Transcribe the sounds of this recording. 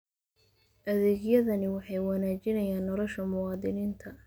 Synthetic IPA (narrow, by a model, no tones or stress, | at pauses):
ʔɐðɛːɡjɐðɐnɪwɑħɑjwɑnaːt͡ʃɪnɐjaːnːɔlɔʃɐmʊwɑːd̪ɪniːnt̪ʰɐ